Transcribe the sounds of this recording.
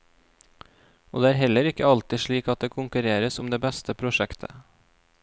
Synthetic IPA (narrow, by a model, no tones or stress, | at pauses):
ʔo̰ːd̪eːæːɾɦɛləɾɪkəɑlt̪ɪʃɭiːkɑt̪̚d̪eːkʰʊŋkʉɾeːɾəsʊmd̪eːbɛst̪ʰəpʰɾʊʃɛkt̪ʰə